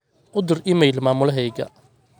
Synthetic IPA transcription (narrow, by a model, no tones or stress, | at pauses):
ʊd̪ʊrʔɪmɛjlmaːmʊlɐɦɛjɡɐ̰